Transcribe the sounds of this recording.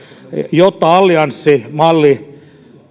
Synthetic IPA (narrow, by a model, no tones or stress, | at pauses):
jot̪ːɑɑlːiɑnsːimɑlːi